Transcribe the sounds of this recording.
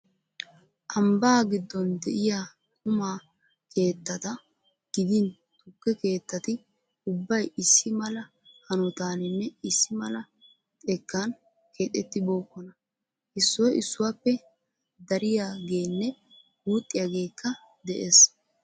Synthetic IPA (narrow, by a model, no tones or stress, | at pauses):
ʔɐmbaːɡɪd̪ːɔnd̪ɛʔɪja | kʰʼʊmaː | kʰe̞ːt̪ːɐt̪ɐ | ɡ̥ɪd̪ɪn | t̪ʊkːɛke̞ːt̪ːɐt̪ɪ | ʊbːɐjɪsːɪmɐlɐ | hɐnɔt̪aːnɪnːɛɪsːɪmɐlɐ | t̪ʼɛkːaːn | kʰeːt̪ʼːɛt̪ːɪbo̞ːkːɔnɐ | ʔɪsːɔjɪsːʊwaːpːɛ | d̪ɐɾɪjaːɡe̞ːnːɛ | muːt̪ʼːɪjaɡe̞ːkːɐ | d̪ɛʔeːs